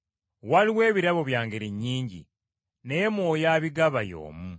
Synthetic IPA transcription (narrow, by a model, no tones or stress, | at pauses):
waliwe̞ːβiɾaβo̞βjaːŋɡe̞ɾiɲːiːɲɟḭ | ne̞moːjaːβiɡaβajo̰ːmu